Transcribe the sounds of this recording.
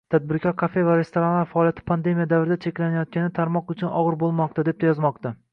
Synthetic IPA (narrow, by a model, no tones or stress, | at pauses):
t̪ʰad̪̚bɪɾkʲʰɒɾkʰafe̞vaɾe̞st̪oɾanvaɾfaːlˠjat̪ʰɪ̥pʰand̪e̞mijad̪avɪɾɪd̪at͡ʃʰe̞kʲlanajɒt̪̚kʲanɪt̪ʰaɾmɒqʊt͡ʃʰʊnɒʁɨɾbolˠmɒqt̪ad̪e̞p̚t̪ajɒzmɒqt̪a